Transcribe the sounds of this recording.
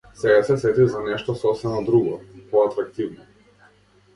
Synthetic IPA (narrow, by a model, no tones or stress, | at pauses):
sɛɡasɛsɛt̪izanɛʃt̪ɔsɔsɛmad̪ɾuɡɔpɔat̪ɾak̚t̪ivnɔ